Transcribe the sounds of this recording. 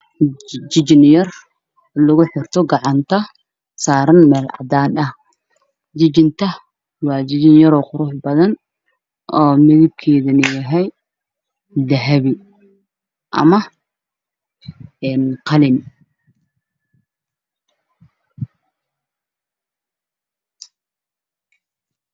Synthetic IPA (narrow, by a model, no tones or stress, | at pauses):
d͡ʒɪd͡ʒɪnjɐr | lʊɣʊħɪrt̪ʰɔɡɑʕɑnt̪ʰɐ | saːɾɐnmɛːlʕɑ̰d̪aːdɐh | d͡ʒɪd͡ʒɪnt̪ʰɐ | wɑːd͡ʒɪd͡ʒɪnjɐɾɔːqʊɾʊħbɐðɐn | ʔɔːmɪðɪb̚kʰɛːðɐnɪjɐɦɛj | d̪ɐɦɐβɪ | ʔɐ̰mɐ | ɛːnqɑlɪn